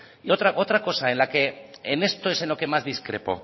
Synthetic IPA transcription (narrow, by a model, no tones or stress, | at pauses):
ot̪ɾaʔot̪ɾako̞saenlake̞ːne̞st̪oeseno̞ke̞mazðiskɾe̞̰po̞̰